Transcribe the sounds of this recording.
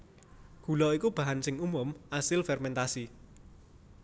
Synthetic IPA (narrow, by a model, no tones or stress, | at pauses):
ɡ̥ṳlɔikub̥a̤ɦansɪŋumʊmʔasɪlfɛrmɛnt̪asi